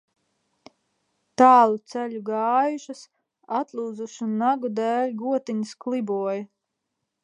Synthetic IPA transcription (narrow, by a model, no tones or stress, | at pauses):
t̪aːlˠut̪sæʎʲuɡɑːjuʃas | at̪lˠuːd̪zuʃunːaɡud̪æːlʲɡuɔt̪iɲisklˠibuɔjɐ